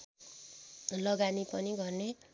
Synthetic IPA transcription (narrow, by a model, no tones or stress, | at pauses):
lʌɡanipʌniɡʌrne